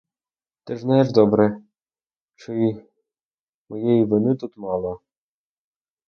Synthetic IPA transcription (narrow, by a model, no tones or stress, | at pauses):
t̪ɪʐnɑjeʐd̪ɔbɾɛ | t͡ʃɪi | mɔjɛjiʋɪnɪt̪ut̪mɑlˠɔ